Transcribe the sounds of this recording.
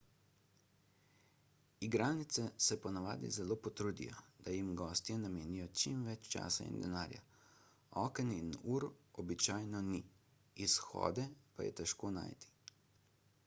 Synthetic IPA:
iɡɾaːnit̪sɛsɛpɔnaʋaːd̪ḭzɛloːpɔt̪ɾuːd̪ḭjɔd̪̥ajimɡɔːst̪jɛnameːnijɔt͡ʃimʋɛt͡ʃt͡ʃa̰ːsa̰ḭnd̪ɛnaːɾja̰ | ɔːkəninuːɾɔbit͡ʃaːjnɔniː | sxɔ̰ːd̪ɛpajɛ̰t̪ɛʃkoːna̰ːjt̪i̥

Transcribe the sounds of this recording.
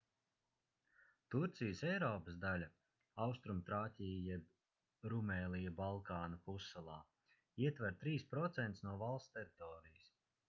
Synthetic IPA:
t̪uɾt̪sijəsɛjɾɔːpəsd̪alʲɐ | awst̪ɾumt̪ɾaːtʲija | ɾumɛːlijabalˠkaːnɐpusːalˠaː | iɛt̪vaɾt̪ɾiːspɾɔt̪sɛnt̪snuɔvalˠst̪t̪ɛɾit̪ɔːɾijis

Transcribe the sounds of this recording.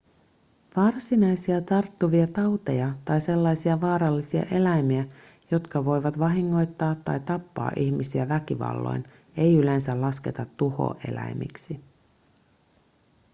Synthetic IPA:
ʋɑrsinɑjsiɑt̪ɑrt̪ːuʋiɑt̪ɑwt̪ejɑt̪ɑjse̞lːɑjsiɑʋɑːɾɑlːisiɑ̰ʔe̞læjmiæ | jo̞t̪kɑʋo̞jʋɑt̪ʋɑɦiŋːo̞jt̪ːɑːt̪ːɑ̰jt̪ɑpːɑ̰ːʔiçmisiæʋækiʋɑ̰lːo̞̰jn | e̞jyle̞nsælɑske̞t̪ɑt̪ːuho̰ʔe̞̰læ̰jmḭksi

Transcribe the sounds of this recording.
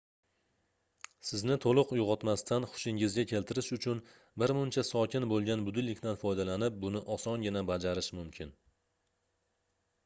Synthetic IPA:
sɪznɪt̪ʰolˠʊqjʊʁɒt̪mast̪ʰanχʊ̥ʃɪŋɪzɡʲakʲʰe̞lt̪ʰɪɾɪʃʊt͡ʃʰʊn | bɪɾmʊnt͡ʃʰasɒkʲɪnbolˠɡʲanbʊd̪ɪlːɪkʲt̪anfɒjd̪alanɪp̚bʊnɪʔɒsɒnɡʲɪnabad͡ʒaɾɪʃmʊmkʲʰɪn

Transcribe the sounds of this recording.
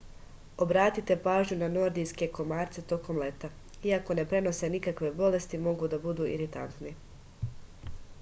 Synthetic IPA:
o̞bɾaːt̪it̪e̞paːʒɲunano̞ɾd̪ijske̞ko̞maːɾt̪se̞t̪o̞ko̞mle̞t̪a | iako̞ne̞pɾe̞no̞se̞nikakʋe̞bo̞le̞st̪imo̞ɡud̪abud̪uːʔḭɾit̪a̰nt̪ni

